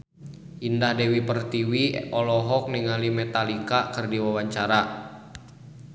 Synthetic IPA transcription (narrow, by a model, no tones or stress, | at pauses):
ʔindahdɛwipərt̪iwiɔlɔɦɔk̚niŋalimɛt̪alikakɨrdiwawaɲt͡ʃaɾa